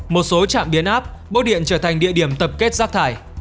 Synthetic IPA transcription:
mo˨˩t̚so˨˦t͡ɕa̰ː˧˨mɓi˨˦ənʔaː˦˥p̚ɓo˦˥ɗḭ˧˨ənt͡ɕəː˧˩t̪ʰa˨˩ŋ̟ɗḭ˧˨əɗi˧˩əmt̪ə˨˩p̚ke˦˥t̚zaː˦˥k̚t̪ʰaː˧˩j

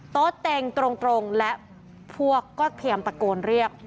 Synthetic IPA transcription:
t̪oː˦˥t̪ːe˧ŋt̪ɾo˧ŋt̪ɾo˧ŋlɛ˦˥ʔ | pʰu˥˩əkːɔː˥˩tp̪ʰi˧˩əmpɾa˧koː˧nɾi˥˩ək̚

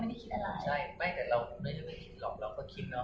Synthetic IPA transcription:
m˥˩jda˥˩kʰi˧˦t̪̚ʔa˧laː˨˩˦t͡ɕʰjʰa˥˩jmaː˦˥˩t̪ɛː˨˩ɾa˧wnaː˥˩t͡ɕa˨˧˩ma˥˩kʰi˨˧t̪̚lɔː˨˩k̚ɾa˧wkʰɔː˥˩kʰi˧˥t̪̚nɔ˦˥

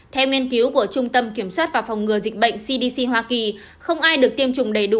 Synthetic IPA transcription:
t̪ʰɛ˧wŋwi˧ənki˨˦wku˧˩ət͡ɕʊ˧ŋ͡mt̪ə˧mki˧˩əmswaː˦˥t̚vaː˨˩fa˨˩wŋ͡mŋɨ˨˩əzï˨˩k̟̚ɓə̰˧˨jŋ̟si˧ɗi˧si˧ɦwaː˧ki˨˩ | xə˧wŋ͡mʔaː˧jɗɨ˨˩ək̚t̪i˧əmt͡ɕʊ˨˩ŋ͡mɗə˨˩jɗṵ˧˩

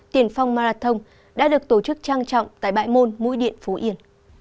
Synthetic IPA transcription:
t̪i˧˩ənfa˧wŋ͡mmaː˧zaː˧˩t̪ʰə˧wŋ͡m | ɗa̰ː˧˥ɗɨ˨˩ək̚t̪o˧˩t͡ɕɨ˦˥k̚t͡ɕaː˧ŋt͡ɕɔ̰˧˨wŋ͡mt̪a̰ː˧˨jɓa̰ː˧˨jmo˧nmṵ˧˥jɗḭ˧˨ənfo˨˦ʔi˧˩ən

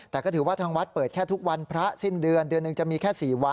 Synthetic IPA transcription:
t̪ɛː˨˩kɔː˥˩t̪ʰːwaː˥˩t̪ʰaː˧ŋwa˦˥t̪̚pɤː˨˩t̪̚kʰɛː˥˩t̪ʰu˦˥k̚wa˧npʰɾa˦˥si˥˩ndɯ˧əndɯ˧ənːɯ˨˧ŋt͡ɕa˨˩miː˧kʰɛː˥˩siː˨˩wa˧

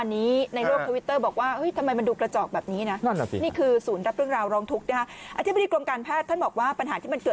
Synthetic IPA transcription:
a˧nːiː˦˥na˧jɾo˥˩k̚ʰːa˧wi˦˥t̪ːɤː˥˩bɔː˨˩k̚waː˥˩ɤ˦˥jt̪ʰa˧mːa˧jma˧nduː˧kɾa˧t͡ɕɔː˨˩k̚bɛː˨˩p̚niː˦˥na˦˥˩niː˥˩kʰɯː˧suː˩˦nɾa˦˥p̚ɾɯ˥˩əŋɾaː˧wɾɔː˧ŋt̪ʰu˦˥k̚na˦˥kʰa˦˥ʔʔa̰˧t̪ʰi˦˥ba˨diː˧klo˧mkaː˧npʰɛː˥˩t̪ʰːa˥˩nbɔː˨˩k̚waː˥˩pa˧nɦaː˩˦t̪ʰiː˥˩ma˧nkɤː˨˩

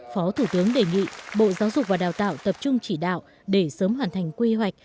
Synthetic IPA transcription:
fɔ˨˦t̪ʰu˧˩t̪ɨ˨˦əŋɗe˨˩ŋḭ˧˨ɓo̰˧˨zaː˨˦wzʊ˨˩k̚vaː˨˩ɗaː˨˩wt̪a̰ː˧˨wt̪ə˨˩p̚t͡ɕʊ˧ŋ͡mt͡ɕi˧˩ɗa̰ː˧˨w | ɗe˧˩səː˨˦mɦwaː˨˩nt̪ʰa˨˩jŋ̟kwi˧ɦwa˨˩jk̟̚

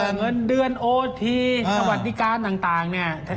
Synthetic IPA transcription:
ŋɤ˧˥ndɯ˧ənʔoː˧t̪ʰiː˧sa˧wa˨˩t̪̚di˧˦˥kaː˧nt̪aː˨˩ŋt̪aː˨˩ŋni˧˩ɐt̪ʰa˧

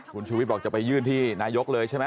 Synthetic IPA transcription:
kʰu˧nt͡ɕʰuː˧w̪̚bɔː˨˩k̚t͡ɕa˨˩pa˧jːɯː˥˩nt̪ʰiː˥˩naː˨˧˥jo˦˥k̚lɤː˧jt͡ɕʰa˥˩jma˦˥˩

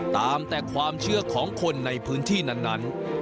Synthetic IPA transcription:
t̪aː˧mt̪ɛː˨˩kʰwaː˧mt͡ɕʰɯ˥˩ɐkʰɔː˩˦ŋkʰo˧nːa˧jpʰɯː˦˥nt̪ʰiː˥˩na˥˩nːa˦˥n

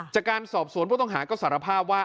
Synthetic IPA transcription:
t͡ɕaː˨˩kːaː˧nsɔː˨˩p̚su˨˩˦npʰu˥˩t̪ɔ˥˩ŋɦaː˩˦kɔː˥˩sa˩˦ɾa˧pʰaː˥˩p̚waː˥˩

